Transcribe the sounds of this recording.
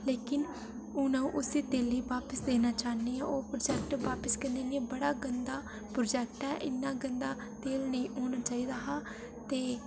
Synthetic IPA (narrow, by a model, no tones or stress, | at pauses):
leːkɪn | ʊnãũʔʊsiːt̪eːliːʋaːpəsd̪eːnaːt͡ʃaːniːɛːoːpɾoːd͡ʒɛːk̚ʈʋaːpəskə̃nd̪eːnibəɽaːɡənd̪aː | pɾoːd͡ʒɛːkʈɛːʔɪnːãːɡənd̪aː | t̪eːlnə̃oːnaːt͡ʃaːiːd̪aːɦaː | t̪eː